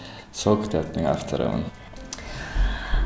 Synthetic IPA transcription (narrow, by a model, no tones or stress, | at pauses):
soːkt̪ɛt̪nɪŋɛft̪ʰəɾə̰ə̰n